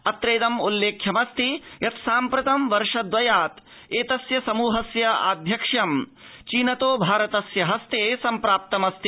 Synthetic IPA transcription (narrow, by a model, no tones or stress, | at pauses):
ɐt̪ɾeːd̪ɐmulːeːkʰjɐmɐst̪ijɐt̪saːmpɾɐt̪ɐmʋɐɾʂɐd̪ʋɐjaːt̪ | eːt̪ɐsjɐsɐmuːɦɐsjɐa̰ːd̪ʱjɐkʂjɐm | t͡ʃiːnɐt̪oːbʱaːɾɐt̪ɐsjɐɦɐst̪eːsɐmpɾaːp̚t̪ɐmɐst̪i̥